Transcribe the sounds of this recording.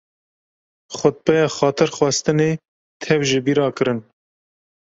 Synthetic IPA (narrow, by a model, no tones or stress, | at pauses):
xʷʊt̪̚pɛjɑːxɑːt̪ʰɨɾxwɛst̪ɨneː | t̪ʰɛvʒɨbiːɾɑːkɨɾɨn